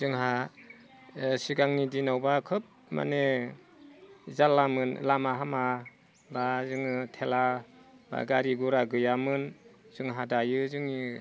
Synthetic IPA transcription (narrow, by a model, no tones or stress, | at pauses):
zɯŋɦa | siɡaŋnidinawbakʰɯp̚ma̰ne | zalamɯnlamaɦama | bazɯŋɯtʰelaba̰ɡaɾiɡuɾaɡɯjamɯnz̥ɯŋɦadajɯzɯŋi